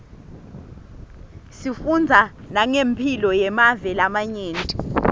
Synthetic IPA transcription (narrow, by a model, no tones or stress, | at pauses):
sifund͡zʱanaŋempʰilɔjɛmavɛlamaɲeːntʼi